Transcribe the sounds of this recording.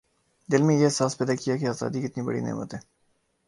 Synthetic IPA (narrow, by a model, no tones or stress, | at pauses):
d̪ɪlmẽjeɦɪsaːspɛːd̪akijakeaːza̰ːd̪ikɪt̪nibɐ̰ɽḭnḛːmə̰t̪ɦɛː